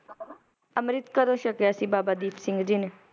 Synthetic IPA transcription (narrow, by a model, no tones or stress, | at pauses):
əmɾɪt̪kəɾõːʃəkjasĩːbaːbaːd̪iːpʰsɪŋɡd͡ʒiːne